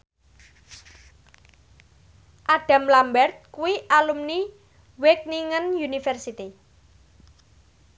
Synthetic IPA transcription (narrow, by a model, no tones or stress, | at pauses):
ʔaɖ̥a̤mlambɛrt̪̚kuwiʔalumni | wek̚niŋənjunifɛrsit̪i